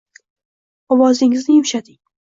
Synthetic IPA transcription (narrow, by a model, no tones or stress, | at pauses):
ɒwɒzɪŋɪznɪjʊmʃad̪ɪ